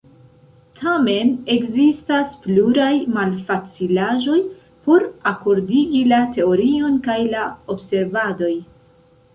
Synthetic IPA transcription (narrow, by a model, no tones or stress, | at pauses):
tʰame̞ne̞kzistaspluɾajmalfat͡silaʒo̞j | po̞ɾako̞ɾdiɡilate̞o̞ɾio̞nkajlao̞bse̞ɾvado̞j